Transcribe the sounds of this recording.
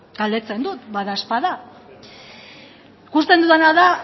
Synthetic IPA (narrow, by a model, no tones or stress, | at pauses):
ɡ̥ald̪e̞t͡se̞nd̪ut̪baðaspaða | kust̪e̞nd̪uðanaða